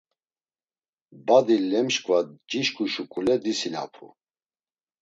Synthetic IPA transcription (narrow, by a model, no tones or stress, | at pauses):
bad̪ilɛmʃkʼvad͡ʒiʃkʼuʃukʼulɛd̪isina̰pʰṵ